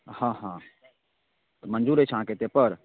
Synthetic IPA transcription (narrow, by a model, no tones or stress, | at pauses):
hãɦã | t̪ɔmənd͡ʒuɾɛt͡ʃʰɦãket̪epəɾ